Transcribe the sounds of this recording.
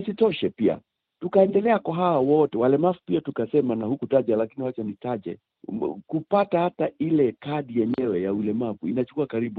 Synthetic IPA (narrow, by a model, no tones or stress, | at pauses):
sitɔʃɛpia̰ | tukaɛndɛlɛakwaɦawawɔtɛwalɛmavupiatukasɛmanahukutaʄalakiniwat͡ʃanitaʄɛ̰ | kupatahatailɛkaɗijɛɲɛwɛjaulɛmavuinat͡ʃu̥kuakaɾiɓu